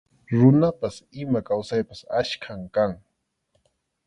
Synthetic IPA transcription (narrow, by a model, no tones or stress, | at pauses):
ɾʊnapasɪmakawsajpasaʃkʰamkaŋ